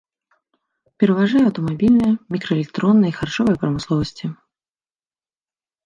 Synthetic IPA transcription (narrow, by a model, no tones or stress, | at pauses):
pʲɛɾɐvaʐajɛɐwt̪ɔmabʲilʲnɐjɐmʲikɾɐeɛlʲɛk̚t̪ɾɔnːɐjəixart͡ʂɔvɐjɐpɾɐmɨslˠɔvɐsʲt͡sʲi